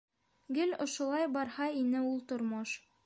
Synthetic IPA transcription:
ɡɘlʲŏʃŏlˠɑjbɑɾhɑinɘulˠt̪ŏɾmoʃ

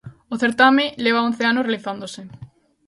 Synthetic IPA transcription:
oθeɾt̪amɪleβ̞aon̟θeanosrealiθand̪osɪ

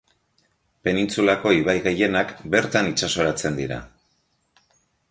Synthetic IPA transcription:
pe̞nint͡sulako̞iβajɣe̞je̞nakbe̞ɾt̪anit͡ʃaso̞ɾat͡se̞nd̪iɾa̰

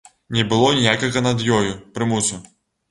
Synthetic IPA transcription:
nʲɛbɨlˠɔnʲijakɐɣɐnɐd̪jɔjupɾɨmusu

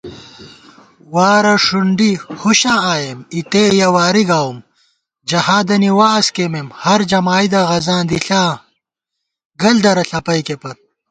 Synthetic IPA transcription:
waːɾɐʂuɳɖihuɕãːaːjemit̪ejɐwaːɾiɡaːwm | d͡ʑɐhaːd̪ɐniwaːskememhɐɾd͡ʑɐmaːjd̪ɐɣɐzãːd̪iɬãː | ɡɐld̪ɐɾɐɬɐpɐjkepɐt̪

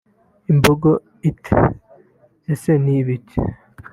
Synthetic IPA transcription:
imboɡo | itʰḛ | eseniβitʰḛ

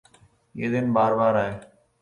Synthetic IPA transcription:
eːd̪ɪnbaːɾbaːɾaːɦeː

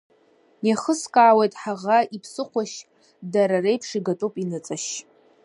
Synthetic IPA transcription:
naχəskʼaːwejtʼħaʁaipʰsɨχʷaʃ | daɾarejpʰʂiɡatʼupʼinɨt͡sʼaʃ

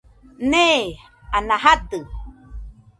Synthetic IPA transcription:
ne | anaɦat̪ɨ

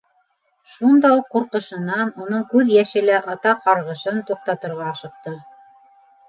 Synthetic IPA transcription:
ʃund̪ɑuqːuɾqɤ̆ʃɤ̆nɑnunɤɴkʉðjæʃɘ̆læʔɑt̪ɑqɑɾʁɤ̆ʃɤnt̪uq̚t̪ɑt̪ɤ̆ɾʁɑːʃɤ̆q̚t̪ɤ

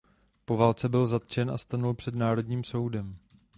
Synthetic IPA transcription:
po̞vaːlt͡sɛbɪlzat̪t͡ʃɛnʔa̰st̪anulpr̥ɛdnaːɾo̞dɲiːmso̞wdɛm

